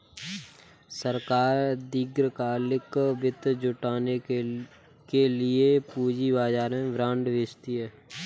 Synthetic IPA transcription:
səɾkaːɾd̪iːɡɾkaːlɪkbɪt̪d͡ʒʊʈaːne | kelɪepuːd͡ʒibaːd͡ʒaːɾẽʋɾãːɳɖʋeːt͡ʃt̪iɦɛː

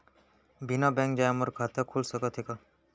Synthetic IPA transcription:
binabɛ̃ŋkd͡ʒajaməɾkʰat̪əkʰulsəkət̪ʰeka

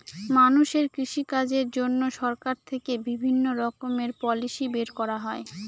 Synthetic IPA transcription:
manuʃeɾkɾiʃikad͡ʑeɾd͡ʑonːoʃɔɾkaɾt̪ʰekebibʱinːoɾɔkomeɾpɔliʃibeɾkɔɾaɦɔe

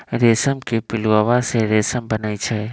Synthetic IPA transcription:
ɾesəmkepɪluawaseɾesəmbənaːit͡ʃʰɛ

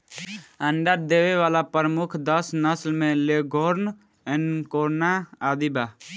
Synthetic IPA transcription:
əɳɖəɾd̪eːʋeʋaːlapəɾəmʊkʰd̪əsnəslmẽleɡʱoːɾn | enkoːɾnaaːd̪ibaː

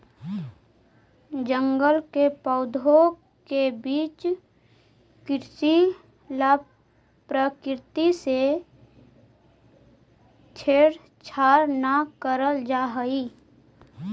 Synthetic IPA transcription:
d͡ʒə̃ŋɡəlkepəːʊd̪ʱo | kebiːt͡ʃ | kɪɾt͡ʃi | lab | pɾəkɾɪt̪ise | t͡ʃʰeːɽ | t͡ʃʰaːɾnakəɾəld͡ʒaːɦəiː

